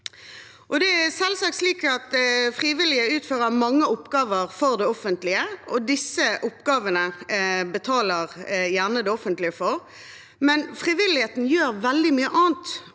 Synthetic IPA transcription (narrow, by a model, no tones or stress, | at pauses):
ʔɔd̪ɛæsɛlsɑk̚t̪sliːkɑt̪fʁiːʋɪlɪəʉːt̪føːʁəmɑŋːəʊpːɡɑːʋəʁfɔʁd̪ɛɔfənt̪lɪəɔd̪ɪsːəʔʊpːɡɑːʋənəbət̪ʰɑːləʁjæʁnəd̪ɛɔfənt̪lɪəfɔɾ | mɛnfʁɪʋɪlɪheːt̪n̩jøːɾʋɛld̪ɪmyːəʔɑːnt̪